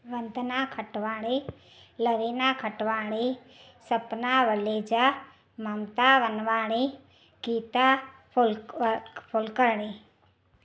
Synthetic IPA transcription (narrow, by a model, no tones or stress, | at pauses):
ʋɐnd̪naːkʰəʈʋaːɽ̃e | ləʋeːnaːkʰəʈʋaːɽe | sɐpnaːʋəleːd͡ʒa | mɐmt̪aːʋənʋaːɽ̃e | kiːt̪a | l | pʰʊlkəɾɽ̃eː